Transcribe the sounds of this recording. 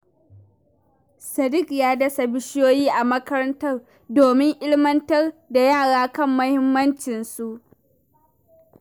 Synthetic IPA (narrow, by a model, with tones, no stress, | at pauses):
sɐ˨dɪ˦kjaː˦dɐ˦sa˨bɪ˦ʃjoː˦jiː˦ʔa˨mɐ˦kɐ˦ɾɐ˦ntɐ˦r | doː˨mɪ˦ŋʔɪ˦ɽmɐ˦ntɐ˦rda˨jaː˦˨ɽaː˦kɐ˦˨mːɐ˦hɪ˦mːɐ˦nt͡ʃɪ˨nsu˨ʔ